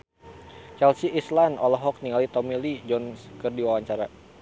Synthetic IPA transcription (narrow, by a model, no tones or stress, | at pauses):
t͡ʃɛlsiʔislanɔlɔɦɔk̚niŋalit̪ɔmilid͡ʒɔnskɨrdiwawaɲt͡ʃaɾa